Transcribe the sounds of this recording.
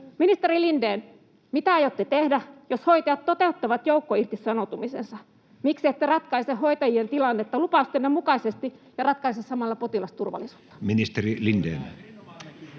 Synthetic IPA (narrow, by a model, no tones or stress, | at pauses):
minist̪eɾilindeːn | mit̪æɑjot̪ːet̪ehdæjoshoit̪ɑjɑt̪t̪ot̪eut̪ːɑʋɑt̪joukːoirt̪issɑnot̪umisensɑ | miksiet̪ːærɑt̪kɑisehoit̪ɑjient̪ilɑnːet̪ːɑlupɑˑust̪enːemukɑisest̪ijɑrɑt̪̚kɑisessɑmɑlːɑpot̪ilɑst̪urʋɑ̰lːisu̥ːt̪ːɑ̥minist̪erilindḛːn